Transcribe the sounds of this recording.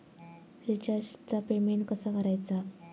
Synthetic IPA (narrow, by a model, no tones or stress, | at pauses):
ɾit͡ɕaɕt͡sapemeɳkəsakəɾajt͡sa